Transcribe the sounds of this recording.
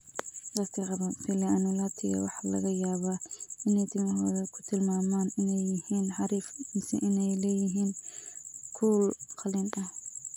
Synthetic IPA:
ɢɑst̪ʰɪʁɑβɐfilɪanʊlaːt̪ʰɪɣɐ̰wɑ̰ħɑlɐ̰ɣɐjaːβaːɪnɛjt̪ʰɪmɐɦɔːðɐkʰʊ̥t̪ʰɪlmaːmaːnɪnɛjːɪhiːnħɑɾiːfmɪsɪ̰ʔɪnɛjlɛːjɪɦiːn | kʰuːlqʰɑlɪnɐh

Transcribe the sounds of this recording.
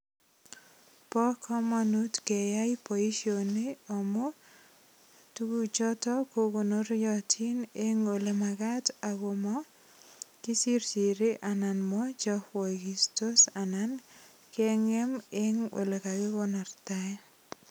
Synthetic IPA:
pɔkʰɔmanutkejajpɔiʃoneɔmɔ | tuɡut͡ʃɔtɔkoɡonoɾjɔtʰineŋolemaɡataɡomɔ | kisiɾsiɾiʔananmɔd͡ʒɔhwɔɡistosanan | kɛŋemeŋwo̰lekaɡɪwɔnaɾtaj

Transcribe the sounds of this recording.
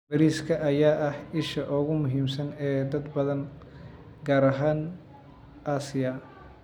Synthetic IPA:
bɐɾiːskʰɐʔɐjaːʔɐhɪʃɐʔɔːɣʊmʊɦiːmsɐnɛːd̪ɐd̪bɐðɐn | ɡaːɾɐɦaːn | ʔaːsɪjɐ

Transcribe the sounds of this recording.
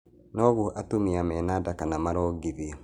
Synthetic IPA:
nɔɣuʔatomiamɛnadakanamaɾɔːɡiði

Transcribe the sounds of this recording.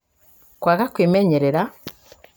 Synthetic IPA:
kwaɣakweːmeɲeɾeɾa

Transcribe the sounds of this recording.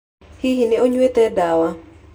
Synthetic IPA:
hihinɪoɲwet̪ɛdawa

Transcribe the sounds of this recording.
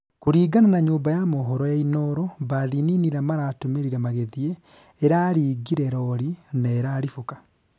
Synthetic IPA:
koɾiːɡananaɲoːmbajamɔɦɔɾɔjainɔɾɔβaðininiɾamaɾaːtomeɾiɾɛmaɣeðie | eɾaːɾiːɡiɾɛɾɔɾinaeɾaːɾifokḁ

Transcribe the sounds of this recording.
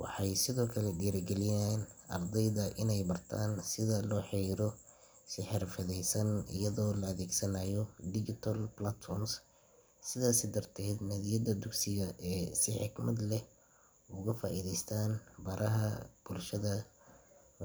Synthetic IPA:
wɑ̰ħɑjsɪðɔːkʰɐlɛɖiːɾɐɡɛlɪjaːnʔɐ̰rd̪ɛjðɐʔɪnɛjbɐrt̪ʰaːnsɪðɐlɔːħɛjɾɔ | sɪħɪrfɐðɛjsɐnɪ̰jɐðɔːlɐɐðɛːɡsɐnaːjɔd̪ɪd͡ʒɪt̪ʰɐlblat̪fɔrms | sɪðaːsɪd̪ɐrt̪ʰɛːd̪nɐðijɐd̪ɐd̪ʊɡsɪɣɐʔɛːsɪħɪɡmɐd̪lɛ | ʊɣɐfaːʔiðɛjst̪ʰaːnbɐɾʔɐɦɐb̥ʊlʃɐðɐ

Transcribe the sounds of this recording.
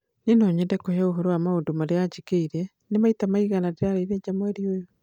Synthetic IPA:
nenɔɲɛdɛkohɛoɦɔɾowamaondomaɾead͡ʒikeiɾɛ | nemaitamaiɣanadeɾaɾaiðed͡ʒamoɛɾiojo

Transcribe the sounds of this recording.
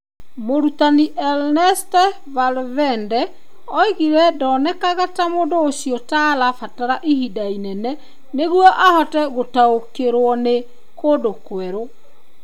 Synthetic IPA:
moɾutaniʔɛlnɛstɛ | valvɛndɛ | ɔiɣiɾɛdɔːnɛkaɣatamoːndoːsiɔtalafataɾaʔihidainɛnɛ | neɣwɔʔahɔtɛɣotaokeɾwɔne | kodokwɛɾo

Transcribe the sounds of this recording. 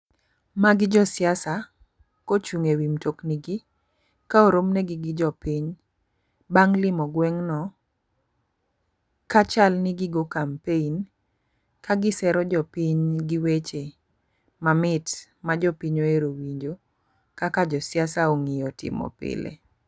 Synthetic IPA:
maɡɪd͡ʒɔsɪjasa | kot͡ʃuŋewimtokniɡi | kaoɾomneɡɪɡɪd͡ʒɔpiɲ | baŋlɪmɔɡwɛŋnɔ | kat͡ʃalnɪɡɪɡokampein | kaɡɪsɛɾɔd͡ʒɔpiɲɡɪwet͡ʃe | mamɪt | mad͡ʒɔpiɲoeɾowiɲd͡ʒo | kakad͡ʒɔsjasaoŋɪjɔtɪ̰mɔ̰pɪ̰lḛ

